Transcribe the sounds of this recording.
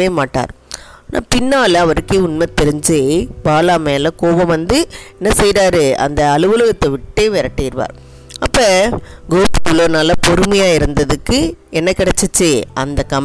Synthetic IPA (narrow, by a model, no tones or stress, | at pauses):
eːmaːʈːa̰ːɾ | nʔa̰ːpɪnːaːlɐɐʋɐɾɯkːeːʊnmɐt̪ɛɾɯɲd͡ʒeːbaːlaːmeːlɐkoːʋɐ̃mʋɐnd̪ɯɛnːɐsɛjɾaːɾɯɐ̰nd̪ɐːlɯʋɐlɯɣɐt̪ːɐʋɪʈːeːʋɛɾɐʈːɐɪɾɯʋa̰ːɾ | ɐpːɐːɡoːpɯ̥kːɯloːnaːlɐpɔɾɯmɐjaːɪɾɯnd̪ɐðɯkːɯɛnːɐkɪɽɛt͡ʃːɯt͡ʃːeɐnd̪ɐkɐm